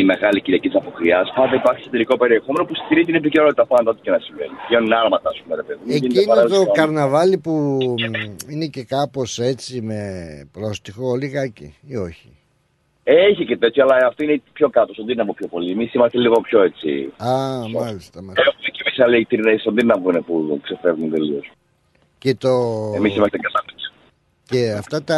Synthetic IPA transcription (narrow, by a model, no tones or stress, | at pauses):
ime̞ɣɐliciɾiɐcit̪isɐpokɾiɐspɐnd̪eipɐɾçisot̪eɾiko̞pe̞ɾie̞xomenopust̪iɾizt̪inep̬iceɾnoit̪ɐpɐnd̪ɐot̪icenɐsiɱvḛnieoninɐɾmɐt̪ɐspumeɾepeðimeinc̪inɐɾokɐɾnɐvɐlipu | ine̞ce̞kɐpo̞se̞t͡sime̞pɾo̞st̪ixoliɣɐcḭio̞çi | eeçicet̪et̪çoɐlɐɐft̪oinepço̞kɐt̪osond̪inɐpopçopo̞liemisimɐst̪eliɣo̞pço̞e̞t͡sḭɐmɐlist̪ɐmɐcemisɐleit̪iɾnesond̪innɐvunepuðukse̞fevnunt̪elios | ce̞t̪o̞emisimɐst̪ekɐnɐ | ceɐft̪ɐt̪ɐ